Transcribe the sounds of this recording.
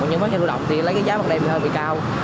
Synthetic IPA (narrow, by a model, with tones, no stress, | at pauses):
ɲɨ˧ŋfa˦˥ɲa˧lu˧˩ɗɔ̰˧˨wŋ͡mt̪i˨˩˨lə˨˦jkaː˨˦jzaː˨˦a˨˩ɗa˧˩ḭ˧˨˩əː˧˩ɓḭ˧˨kaː˧w